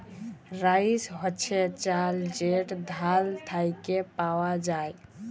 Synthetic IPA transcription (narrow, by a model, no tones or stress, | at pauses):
ɾaisɦət͡ʃʰet͡ʃald͡ʒeʈd̪ʱalt̪ʰajkepawad͡ʒaj